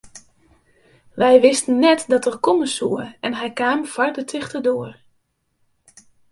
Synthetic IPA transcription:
ʋɛjʋɪstənːɛtdɑtərkɔməsuəɛnɦɛjkaːmfɑrdətʰɪxtərdoər

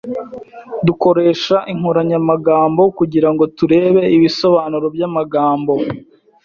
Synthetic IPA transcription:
duko̞ɾe̞ːʃaʔiŋ̥uɾaɲamaɡaːmbo̞kuɟiɾaŋɡo̞tuɾe̞ːβe̞iβiso̞βaːnuɾo̞bjamaɡaːmbo

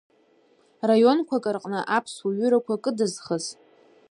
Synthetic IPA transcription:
rajo̞nkʷʰakʼɨrqʼnɨʔapʰswaɥʏɾakʷakʼɨdɨzχəz

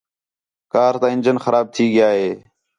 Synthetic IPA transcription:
kaːɾt̪ãːɪnd͡ʒənxəɾaːb̚t̪ʰiːɠɪjaːɦeː

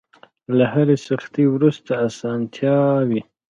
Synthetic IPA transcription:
laɦaɾesaxt̪ewɾust̪aːsɑnt̪ʰjɑwi

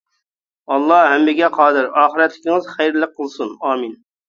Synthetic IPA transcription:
ɑlˠːɑhɛmːɪɡʲɛqʰɑːd̪ɨɾɑːχəɾɛt̪lɪkʲiɪŋɨzχæjɾlˠəq̚ʰːəlˠsunɑːmɨn

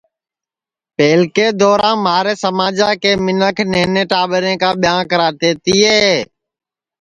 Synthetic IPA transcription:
peːlkeːd̪oːɾãːmaːɾeːsəmaːd͡ʒaːkeːmɪnəkʰneːnẽːʈaːɓəɾẽːkaːɓɪjãːkəɾaːɾt̪eːt̪iːeː

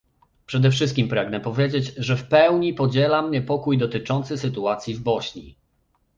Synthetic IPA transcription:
pʂɛd̪ɛfʂɘst̪kʲimpɾaɡnɛpɔvʲjed͡ʑed͡ʑʐɛfpɛwɲipɔd͡ʑɛlamɲɛpɔkujd̪ɔt̪ɘt͡ʂɔnt̪sɘsɘt̪uat̪sʲjivbɔɕɲḭ

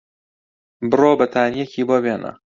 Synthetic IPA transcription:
bɨroːbɐt̪ʰaːnijekʰiːbobeːnʔɐ̰

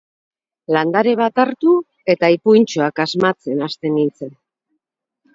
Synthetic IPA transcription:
land̪aɾe̞β̞at̪aɾt̪u | e̞t̪aipujnt͡ʃoakazmat͡se̞nast̪e̞nint͡se̞n

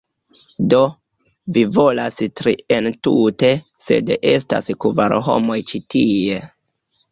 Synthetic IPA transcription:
do̞ | vivo̞lastɾientute̞ | se̞̰dʔe̞sta̰skuvaɾɦo̞̰mojt͡ʃitie̞

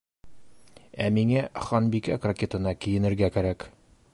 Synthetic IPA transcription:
æmiŋæχɒnbikækrɐkʲet̪ɤ̆nɑkĭjɘ̆nɘ̆ɾɡækæɾæk

